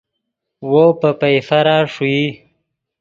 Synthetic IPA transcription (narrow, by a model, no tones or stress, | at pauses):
wopəpajfaɾaːʂui